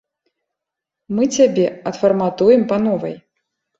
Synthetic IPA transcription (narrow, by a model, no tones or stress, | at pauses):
mɨt͡sʲabʲɛɐt̪fɐrmat̪ujɛmpɐnɔvɐ̰j